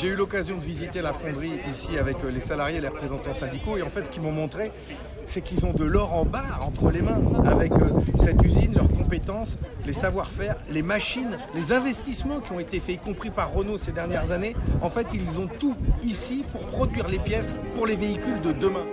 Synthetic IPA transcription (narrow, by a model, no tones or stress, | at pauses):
ʒeylɔkazjɔ̃d̪əvizit̪elafɔ̃d̪ʁiisiavɛklesalaʁjeleʁəpχezɑ̃t̪ɑ̃sɛ̃d̪ikoeɑ̃fɛt̪sə̥kʲimɔ̃mɔ̃t̪χe | sɛkilzɔ̃d̪əlɔʁɑ̃baʁɑ̃t̪χəlemɛ̃a̰vɛkøsɛt̪yzinlœʁkɔ̃pet̪ɑ̃slesavwaʁfɛʁlemaʃinlezɛ̃vɛst̪ismɑ̃kʲiɔ̃et̪efɛikɔ̃pχipaʁːənosed̪ɛʁnjɛʁzaneɑ̃fɛt̪ilzɔ̃t̪uisipuʁpχɔd̪ɥiʁlepjɛspuʁleveikʲyld̪əd̪əmɛ̃